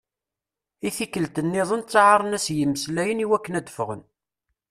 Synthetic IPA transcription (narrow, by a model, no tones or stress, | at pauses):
iθikːəlt̪ənːɪðˤənt͡sːʕɑɾˤənæsjəmːəslæjəniwækːənæd̪əfəʁə̰n